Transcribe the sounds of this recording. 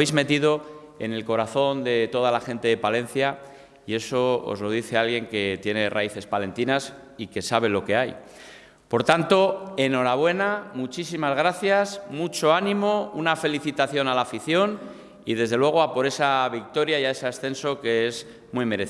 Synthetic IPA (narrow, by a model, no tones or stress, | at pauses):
ejzme̞t̪iðo̞ | e̞̰ne̞lko̞ɾaθo̞nd̪e̞t̪o̞ð̞alaxe̞nt̪e̞ðe̞palẽ̞n̟θja | ie̞so̞o̰zlo̞ð̞iθe̞alɣje̞ŋke̞t̪je̞ne̞ra̰iθe̞spale̞nt̪inas | ike̞saβ̞e̞lo̞ke̞aj | po̞ɾt̪ant̪o̞e̞no̞ɾaβ̞we̞namut͡ʃisimazɣ̞ɾaθjasmut͡ʃo̞anĩmo̞unafe̞liθit̪aθjo̞nalaːfiθjo̞n | iðe̞zðelwe̞ɣ̞o̞apo̞ɾe̞saβik̚t̪o̞ɾjaiae̞seasθe̞nso̞ke̞ez | mwime̞ɾe